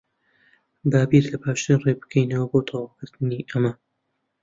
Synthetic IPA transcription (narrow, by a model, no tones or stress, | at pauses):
d̪aːbiɾlɐpaːʃt̪ɨnreːbɨ̥kʰejnɐwɐboːt̪ʰɑwɑkɨɾt̪ɨniːʔɐmɐ